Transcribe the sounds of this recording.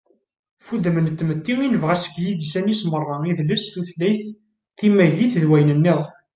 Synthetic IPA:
fuðəmənt̪ːmət̪ːiwinəvʁæsə̥kjiðsænismərˤːɑiðləsθuθlːæjθ | θimːæjliθðwæjnənːɪðˤ

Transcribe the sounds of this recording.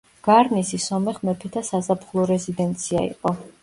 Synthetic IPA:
ɡ̥aɾnisisɔmɛχmɛpʰit̪ʰasazapχlˠɔɾɛzid̪ɛnt̪sʰia̰ḭqʼɔ

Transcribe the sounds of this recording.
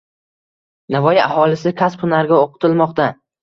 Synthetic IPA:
navɒjɪahɒlˠɪsɪkʲʰaspʰʊnaɾɡʲaoqʰɨ̥t̪ʰɪlmɒqt̪a

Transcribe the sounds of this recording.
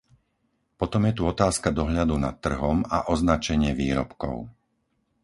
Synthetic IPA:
pɔt̪ɔmjɛt̪uɔt̪aːskad̪ɔɦʎad̪una̰t̪ːr̩ɦɔmaʔɔznat͡ʃɛɲɪɛʋiːɾɔ̰pkɔ̰ʊ

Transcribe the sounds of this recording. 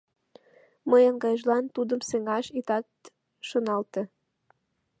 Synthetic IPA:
məjənɡɑjəʒlɑnt̪ud̪əmseŋɑʃit̪ɑt̪ | ʃonɑlt̪e

